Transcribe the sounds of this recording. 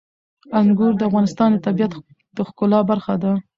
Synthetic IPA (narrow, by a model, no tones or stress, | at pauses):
aŋɡʊɾd̪əafɣɑnɪst̪ɑnd̪ət̪abijat̪ | d̪̥əxkʊlɑbaɾxad̪a